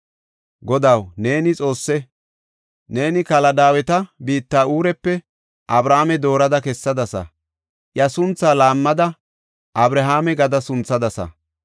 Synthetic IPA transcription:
ɡɔd̪ɐwne̞ːnɪt͡sʼo̞ːsːɛ | ne̞ːnɪkɐlɐd̪aːwɛt̪ɐbiːt̪ːaːuːɾɛpːɛ | ʔɐbɾaːmɛd̪o̞ːɾɐd̪ɐkɛsːɐd̪ɐsɐ̰ | ʔjɐsʊnt͡sːaːlaːmːɐd̪ɐ | ʔɐbɾɐɦaːmɛɡɐd̪ɐsʊnt͡sːɐd̪ɐsɐ̰

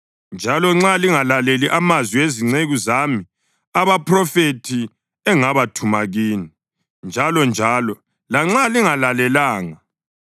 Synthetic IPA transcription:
nd͡ʒʱalɔŋ͡ǁaliŋalaleliʔamazwiweziŋ͡ǀeɣuzami | aβapʰrɔfetʰi | ɛŋaβatʰumaɣiːni | nd͡ʒʱalɔnd͡ʒʱaːlɔ | laŋ͡ǁaliŋalalɛlaːŋa

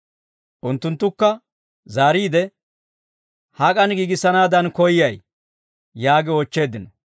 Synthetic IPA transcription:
ʔʊnt̪ːʊnt̪ːʊkːɐ | zaːɾiːd̪ɛ | hɐkʼɐnɡiːɡɪsːɐnaːd̪ɐnkɔjːɐj | jaːɡɪɔt͡ʃːe̞ːd̪ɪnɔ

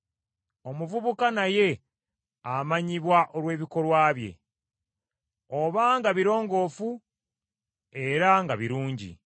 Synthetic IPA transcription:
o̞muvuβukanaje̞ | amaɲiβwaʔo̞lwe̞ːβiko̞lwaːβje̞̰ | oβaŋɡaβiɾo̞ːŋɡo̞ːfu | e̞ɾaŋɡaβiɾuːɲɟḭ

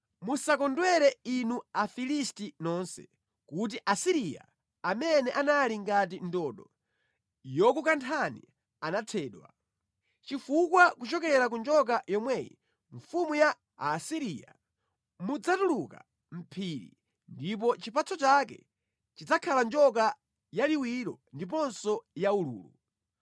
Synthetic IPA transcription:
musakɔndwɛɾɛinuafilistinɔnsɛ̰ | kut̬iʔasiɾija̰ | amɛnɛʔanaliŋɡat̬indɔɗɔ | jɔkukantʰanḭ | anatʰɛːɗwa̰ | t͡ʃifukwakut͡ʃɔkɛɾak̬und͡ʒɔk̬ajɔmwɛjḭ | ɱfumujaː | siɾia̰ | mud͡zatuluka̰ | m̩pʰiɾḭ | ndip̬ɔt͡ʃipat͡sɔt͡ʃak̬ɛ̰ | t͡ʃid͡zakʰaland͡ʒɔk̬a | jaliwiɾɔndip̬ɔnsɔjaulṵːlṵ

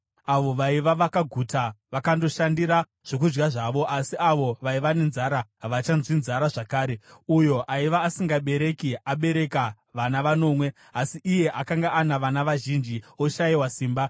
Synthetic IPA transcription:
aʋo̞ʋaiʋaʋakaɡʱutaʋakando̞ʃandiɾa | ʐ̥ok̬ud͡ʒɡaʐaʋo̞ʔasiaʋo̞ʋaiʋane̞nzaɾaɦaʋat͡ʃanzwinzaɾaʐakaːɾe̞ujo̞ʔaiʋaːsiŋɡaɓe̞ɾe̞kiaɓe̞ɾe̞ka | ʋanaʋano̞ːmwe̞ | asiʔije̞ʔakaŋɡaʔanaʋanaʋaʒind͡ʒio̞ʃaiwasiːmba

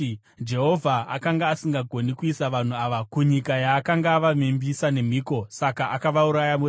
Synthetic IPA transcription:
d͡ʒe̞ɦo̞vʱaa̰kaŋɡaːsiŋɡaɡʱo̞nikuisaʋan̤uaʋakuɲikajaːkaŋɡaːʋamembisane̞m̤iːko̞sakaʔakaʋauɾajamu

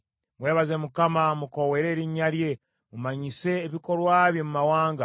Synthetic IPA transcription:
we̞ːβaze̞mukamamuko̞we̞ːɾe̞ːɾiɲalje̞ | mumaɲise̞ːβiko̞ɾwaːβjemumawaːŋɡa

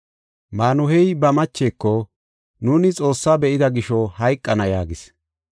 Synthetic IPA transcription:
maːnʊhɛjbɐmɐt͡ʃːe̞ːkːɔ | nuːnɪt͡sʼo̞ːsːaːbɛʔɪd̪ɐɡɪʃɔhɐjkʼːɐnɐjaːɡɪs

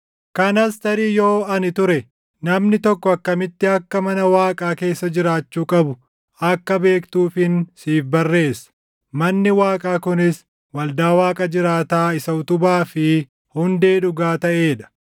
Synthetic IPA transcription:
kɐnɐst̪ɐɾiːjo̞ːɐnɪt̪ʊɾɛ | nɐmnɪt̪ɔkːɔɐkːɐmɪt̪ːɪɐkːɐmɐnɐwaːkʼaːke̞ːsːɐd͡ʒɪɾaːt͡ʃːuːkʼɐbʊ | ɐkːɐbe̞ːkt̪uːfɪnsiːfbɐrːe̞ːsɐ̥ | mɐnːɪwaːkʼaːkʊnɪs | wɐld̪aːwaːkʼɐd͡ʒɪɾaːt̪aːɪsɐʊt̪ʊbaːfɪ | hʊnd̪e̞ːᶑʊɡaːt̪ɐʔe̞ːᶑɐ̥

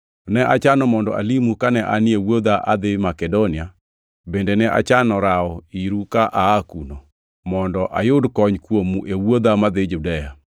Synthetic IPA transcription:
nɛʔat͡ʃanɔmɔndɔ̰ʔa̰limukanɛʔanjewod̪aʔad̪ɪmakɛdonɪa | bendenɛʔa̰t͡ʃanɔɾaɔiɾukaʔaːkuno | mɔndɔʔa̰jʊdkɔɲkwomuʔewod̪amad̪ɪd͡ʒudɛja

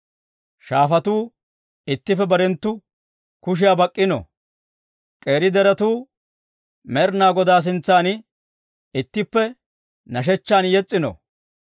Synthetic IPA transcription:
ʃaːfɐt̪uː | ɪt̪ːɪfɛbɐɾɛnt̪ːʊ | kʊʃ̬ɪjabɐkʼːɪnɔ̰ | kʼe̞ːɾɪd̪ɛɾɐt̪uː | mɛɾnaːɡɔd̪aːs̬ɪnt͡sːaːn | ɪt̪ːɪpːɛ | nɐʃ̬ɛt͡ʃːaːnjɛt͡sʼːɪnɔ̰

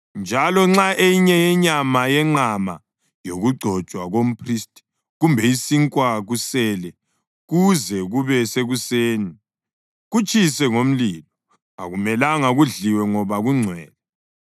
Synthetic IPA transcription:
nd͡ʒʱalɔŋ͡ǁaʔejiɲɛjɛɲamajɛŋ͡ǃama̰ | joɣuɡ͡ǀʱɔ̥t͡ʃʼwaɣom̩pʰristʼi̥ | ɣumbʱɛisiŋkʼwaɣusɛlɛ | ɣuzɛɣuβɛseɣuseːni | ɣut͡ʃʼisɛŋom̩lilɔ | a̰ɣumɛlaŋaɣuɮiwɛŋɔβaɣuŋ͡ǀʱwɛ̰ːlɛ

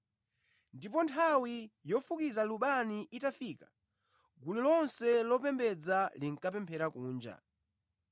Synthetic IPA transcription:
ndipɔntʰawijɔfukizaluɓaniʔitafiːkḁ | ɡulilɔnsɛlɔp̬ɛmbɛd͡zaliŋ̩kapɛmpʰɛɾakuːnd͡ʒa̰

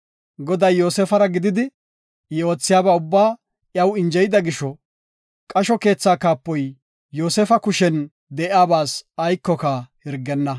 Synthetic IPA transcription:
ɡɔd̪ɐjːo̞ːsɛfɐɾɐɡɪd̪ɪd̪ɪ | jɛo̞ːt͡sːɪjaːbaːʊbːaː | ʔjɐwɪnd͡ʒɛjɪd̪ɐɡɪʃɔ | kʼɐʃɔke̞ːt͡sːaːkaːpːɔjː | o̞ːsɛfɐkʊʃɛn | d̪ɛʔjaːbaːsɐjkːɔkahɪɾɡːɛnːɐ

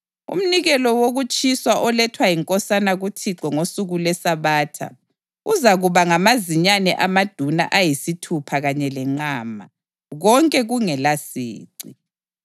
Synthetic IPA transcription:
ṵm̩niɣɛlɔwoɣut͡ʃʼiswaʔɔlɛtʰwajiŋkʼɔsanaɣutʰiǀɔŋosuɣulwɛsaβaːtʰa̰ | uzaɣuβaŋamaziɲanɛʔamad̥ʱuna̰ʔajisitʰupʰaɣaɲɛlɛŋ͡ǀaːma̰ | ɣɔŋkʼɛɣuŋɛlasḭːǀi

